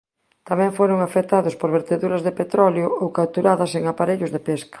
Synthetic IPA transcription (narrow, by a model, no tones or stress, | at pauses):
t̪amɛ̃ŋfoɾʊŋafet̪aðʊspoɾβeɾt̪eðuɾɐzðepet̪ɾɔljʊowkawt̪uɾaðɐseŋapaɾeʎʊzðepeskḁ